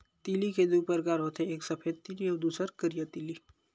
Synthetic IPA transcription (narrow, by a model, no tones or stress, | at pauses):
t̪iːliked̪uːpəɾkaːɾɦoːt̪ʰeeːksɐpʰeːd̪̚t̪iːliɔːd̪uːsəɾkəɾijət̪iːli